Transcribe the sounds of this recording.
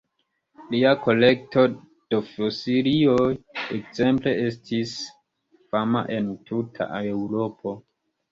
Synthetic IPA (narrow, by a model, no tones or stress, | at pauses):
liako̞lek̚to̞ | d̥ofosiɾioekze̞mple̞estʰis | fama̰ʔe̞ntʰutʰa̰ʔaeuɾo̞pʰo̞